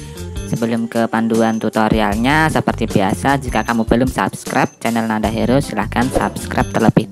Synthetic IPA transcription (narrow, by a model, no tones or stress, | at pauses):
səbəlʊmkəpanduant̪ut̪oɾialɲasəpərt̪ibia̰sad͡ʒikakamubəlʊmsa̰pskɾap̚t͡ʃɛnɛlnadaɦeɾʊsilahkansa̰pskɾʔa̰p̚t̪ərləbɪh